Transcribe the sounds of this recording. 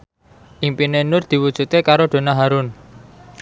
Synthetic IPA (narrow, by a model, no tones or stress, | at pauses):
ʔimpinenʊrd̪̥i̤wud̥ʒ̥ṳt̪kekaɾoɖ̪̥o̤naɦaɾʊn